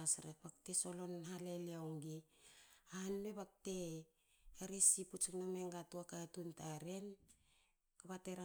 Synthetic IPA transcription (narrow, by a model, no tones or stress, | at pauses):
asɾek̚pak̚tesolo̞nhaleleaoŋɡi | aanmeβak̚te | aɾesiput͡ʃuknomeŋɡatuakatuntaɾe̞n | kaβateɾa